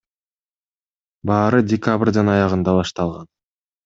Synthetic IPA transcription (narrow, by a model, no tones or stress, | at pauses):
bɑːɾɯdʲɪkabrʲd̪ɑnɑjɑʁɯnd̪ɑβɑʃt̪ɑlˠʁɑn